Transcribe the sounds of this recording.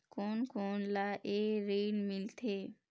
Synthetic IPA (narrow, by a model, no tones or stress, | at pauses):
koːnkoːnlaʔeːɾeːlmɪlt̪ʰeː